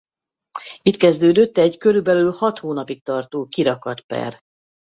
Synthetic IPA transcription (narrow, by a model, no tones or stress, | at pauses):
it̪kɛzd̪øːd̪øt̪ːɛɟkø̞ɾybɛlyːlhɒt̪hoːnɒpikt̪ɒrt̪oːkiɾɒkɒt̪pɛ̰r